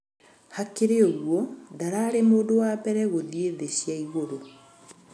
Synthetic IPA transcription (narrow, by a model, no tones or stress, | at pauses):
hakeɾeoɣwɔdaɾaːɾemoːdowabɛɾɛɣoðieðeɕjaiɣoɾo